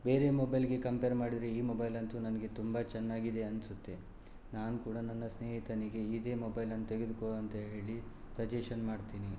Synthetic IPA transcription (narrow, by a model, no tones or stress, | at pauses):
be̞ːɾe̞mobɐjlɡe̞kɐmpeːɾmaːɽid̪ɾeiːmobɐjlɐnt̪unɐnɐɡe̞t̪umbɐt͡ʃɛnːaːɡid̪e̞ɐnsut̪ːe̞ | naːnukuːɽɐnɐnːɐsne̞ːɦit̪ɐniɡe̞id̪e̞ːmobɐjlɐnːut̪eɡe̞d̪ukoɭɐnt̪ɐɦe̞ːɭi | sɐd͡ʒeʂɐnmaːɖt̪iːni